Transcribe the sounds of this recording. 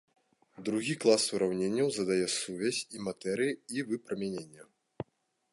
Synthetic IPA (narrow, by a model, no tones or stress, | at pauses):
d̪ɾuɣʲiklˠasuɾawnʲenʲːɐwzɐd̪ajɛsuvʲasʲimat̪ɛɾɨjiivɨpɾɐmʲanʲenʲːɐ